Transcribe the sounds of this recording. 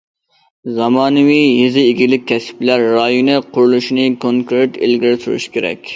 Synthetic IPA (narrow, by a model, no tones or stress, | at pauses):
zɑmɑːnɨwiɦizɪiɡʲilɪk̚ʲkʲʰːɛsɪ̥plæɾːɑːjunɨqʰʊɾlˠuʃinɨkʰoŋkɾɪt̪ɪ̰lɡʲiɾsuɾṵʃkʲʰeɾɛ̰kʲ